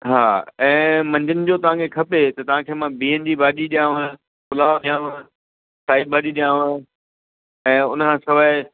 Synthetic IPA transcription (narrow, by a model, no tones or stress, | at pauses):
ɦaːɛ̃ːmɐ̃ɲd͡ʑənɪ̆d͡ʑoːt̪ɐʋ̤ãkʰekʰɐpet̪ɐt̪ɐʋ̤ãkʰeːmãbiːənd͡ʑibaːɗiɗijãːʋə̃ | kʊlaːʋɗijãːʋə̃ | saːɪb̚baːɗiɗijãːʋ̃ | ɛ̃ːʊnkʰãːsɐʋaːɪ